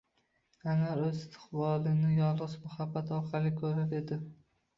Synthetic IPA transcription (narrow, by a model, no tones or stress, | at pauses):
anaɾɵzɪst̪ʰɪ̥χbɒlˠɪnɪjɒlˠʁɨʃbʊhabat̪ʰɒɾqʰɑlˠɪkʲʰɵɾaɾe̞d̪ɪ